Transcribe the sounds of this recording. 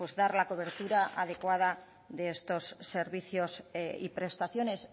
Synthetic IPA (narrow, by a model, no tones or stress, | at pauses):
ozðaɾlako̞β̞eɾt̪uɾaʔaðe̞kwað̞a | ðeest̪o̞sːe̞ɾβiθjo̞sḭpɾe̞st̪aθjo̞ne̞s